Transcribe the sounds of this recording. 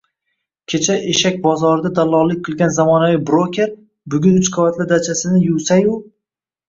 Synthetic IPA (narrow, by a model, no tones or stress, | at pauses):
kʲʰe̞t͡ʃʰaʔeʃak̚ʲbɒzɒɾɪd̪ad̪alˠːɒʁlːˠɪk̚ʲqʰɨlˠɡʲanzamɒnavɪbɾokʲʰe̞ɾ | bʊɡʲʊnʊt͡ʃqʰɒvat̪lad̪at͡ʃʰasɪnɪjʊsajʊ